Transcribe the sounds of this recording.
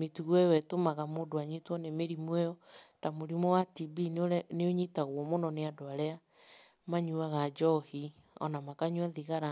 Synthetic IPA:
metuɣwɛwɛtomaɣamodoaɲitwɔnemeɾimwɛjɔtamoɾimɔwatibinneoɲitaɣwɔmonɔneadoaɾɛa | maɲuaɣad͡ʒɔhi | ɔ̰namakaɲwɛðiɣaɾa

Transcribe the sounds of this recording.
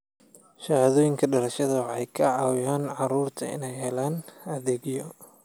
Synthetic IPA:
ʃɐhaðɔːjɪŋkʰɐɖɐɾɐʃɐðɐwħɑjkʰɐʕɑːwɪjaːnʕɑɾuːrt̪ʰɐɪ̰nɛjɦɛlaːnɐðɛːɡjɔ

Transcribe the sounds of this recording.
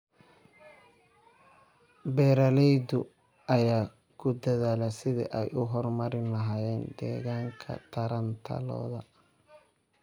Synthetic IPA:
bɛːɾɐlɛjd̪ʊ | ʔɐjaː | kʰʊd̪ɐðaːlɐsɪðḭʔɛjʔʊɦɔrmɐɾɪnlɐɦaːjɛːnd̪ɛ̰ːɣaːŋkʰɐ̰t̪ʰɐɾɐnt̪ʰɐ̰lɔ̰ːðɐ

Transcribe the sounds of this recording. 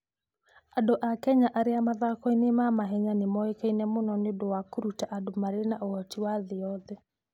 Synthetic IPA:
adoʔakɛɲaʔaɾeamaðakɔinemamaɦɛɲanemɔekeinɛmonɔnedowakoɾutaʔadomaɾenaʔoɔtiwaðeɔðɛ

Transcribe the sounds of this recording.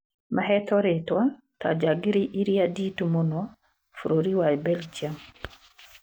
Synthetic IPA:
maɦɛt̪ɔɾetwa | tʰa̰d͡ʒaɡiɾiʔiɾjaditumonɔ | fuɾoɾiwabɛld͡ʒiam

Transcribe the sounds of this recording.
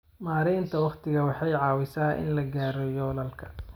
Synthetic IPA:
maːɾɛnt̪ʰɐwɑχt̪ɪɣɐwɑħɑjʕɑːwɪsaːʔɪ̰nlɐɡaːɾɔjɔːlɐlkʰɐ̥

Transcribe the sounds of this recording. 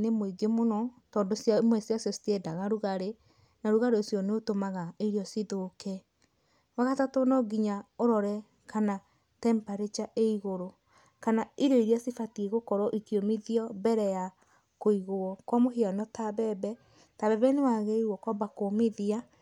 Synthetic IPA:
nemoiɡemonɔtɔːndosjaimwɛsiasjɔsi̥tɛdaɣaɾuɣaɾe | naɾuɣaɾeosjɔneotomaɣaeɾeɔsiðokɛ | waɣatatonɔɡiɲaoɾɔɾɛ | kana | tɛmpaɾet͡ʃaʔeiɣoɾo | kanaiɾɔiɾiasifatieɣokɔɾɔʔikiomiðiɔbɛɾɛja | koiɣoɔkwɔmoɦianɔtabɛbɛ | taβɛβɛnewaɣeiɾuwɔkwɔbakomeðia

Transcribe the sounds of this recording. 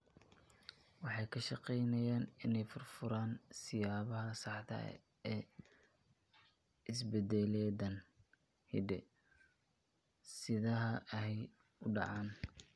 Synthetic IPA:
wɑħɑjkʰɐʃɑqɛjnɐjaːnɪnɛjfʊrfʊɾaːnsɪjaːβɐɦɐsɑħt̪ɐ̰ɛ̰ | ɛː | ɪsbɛd̪ɛlɛːd̪ɐn | hiɖɛ | sɪðɐɦɐhɛj | ʊɖɑ̰ʕɑːn

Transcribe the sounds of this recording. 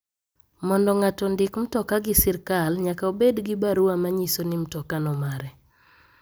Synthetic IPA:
mɔndɔŋatɔndɪkm̩tɔkaɡɪsɪrkalɲakaobedɡɪbaɾuamaɲisonɪm̩tɔkanɔmaɾɛ

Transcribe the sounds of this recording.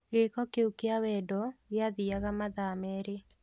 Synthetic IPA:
ɣekɔkeukeawɛdɔɣeaðiaɣamaðamɛɾe

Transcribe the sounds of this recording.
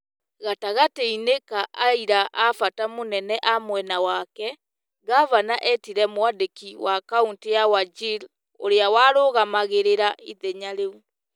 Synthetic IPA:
ɣataɣateinekaʔaiɾaʔafatamonɛnɛʔamwɛnawakɛ | ɡavanaʔɛtiɾɛmwadekiwakauntejawad͡ʒil | o̰ɾeawaːɾoːɣamaɣeɾeɾaʔiðɛɲaɾeu

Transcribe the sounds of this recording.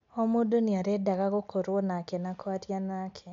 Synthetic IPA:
ɔmodoniaɾɛdaɣaɣokoɾonakɛnakwatjanakʰɛ

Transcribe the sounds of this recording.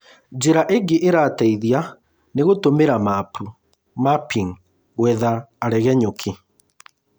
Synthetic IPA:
d͡ʒeɾaʔeɡeʔeɾaːtɛiðja | neɣotomeɾamapu | mapiŋ | ɣwɛðaːɾɛɣɛɲokʰe

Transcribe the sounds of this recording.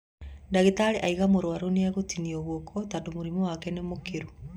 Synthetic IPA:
ndaɣetaɾeʔaiɣamoɾoaɾoneaɣotiniɔɣokʰɔtandomoɾimɔwakɛnemokeɾu

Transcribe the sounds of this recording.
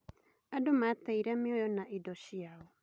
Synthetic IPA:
adomat̪ejɾamiojonaʔidosiao

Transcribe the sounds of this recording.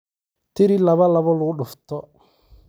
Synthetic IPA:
t̪eɾilaβalaβɔlʊɗʊft̪ɔ

